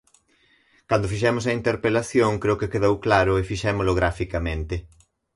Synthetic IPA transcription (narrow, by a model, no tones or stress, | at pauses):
kand̪ʊfiʃ̬ɛmʊsɐint̪eɾpelaθjoŋkɾewkekeðowklaɾʊefiʃɛmʊolʊɣɾafikamẽnt̪ɪ